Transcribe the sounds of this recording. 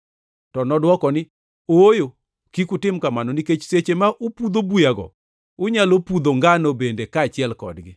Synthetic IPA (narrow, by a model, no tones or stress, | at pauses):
tɔnɔdwɔkɔnɪ | ojo | kikutɪmkamanɔniket͡ʃset͡ʃemaʔʊpud̪obujaɡɔ̰ | ʊɲalopud̪oŋɡanobendekaːt͡ʃɪɛlkɔ̰dɡɪ